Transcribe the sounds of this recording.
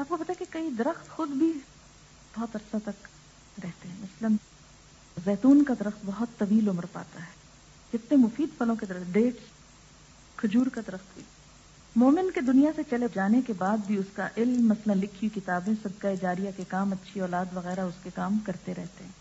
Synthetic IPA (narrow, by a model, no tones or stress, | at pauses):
aːp̚kopɐt̪aɦekekɐid̪ɐɾəxt̪xʊd̪bʱi | b̥ɔɦt̪ɐɾsat̪ɐk | ɾɛɦt̪eɦɛ̃ːmɐslən | zɛːt̪uːnkad̪ɐɾəxt̪bɐɦʊt̪ːɐʋiːlʊməɾpa̰ːt̪aɦɛː | d͡ʒɪt̪nẽmʊfiːd̪fʰɐlõked̪ɐɾəɖeːʈ | kʰʊd͡ʒuːɾkad̪ɐɾəxt̪bʱḭː | moːmɪnked̪ʊnijaset͡ʃɐled͡ʒaːnekebaːd̪̚bʱiʊska̰ʔɪlmːɐslənlɪkʰːijikɪt̪aːbẽsɐd̪kaːed͡ʒaːɾijakekaːmɐtːʃʰiɔːlaːd̪ʋɐɣɛːɾaʊskekaːmkɐɾt̪eɾɛɦt̪eɦɛ̃ː